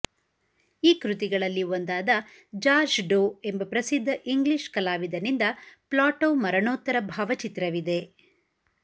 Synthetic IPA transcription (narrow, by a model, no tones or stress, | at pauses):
iːkɾut̪iɡɐɭɐlːiond̪aːd̪ɐ | d͡ʒaːd͡ʒɖoːe̞mbɐpɾɐsid̪ʱːɐʔiŋɡliʂkɐlaːʋid̪ɐnind̪ɐplaːʈoːmɐɾɐɳoːt̪ːɐɾɐbʱaːʋɐt͡ʃit̪ɾɐʋid̪e̞